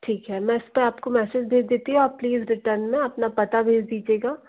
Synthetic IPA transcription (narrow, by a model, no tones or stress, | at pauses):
ʈʰiːkɦɛmɛ̃ːɪspeaːpkomɛːsɪd͡ʒbʱeːd͡ʒd̪eːt̪iɦũapliːzɾɪʈəɾnmẽɐpnapɐt̪abʱeːd͡ʒd̪iːd͡ʒieːɡaː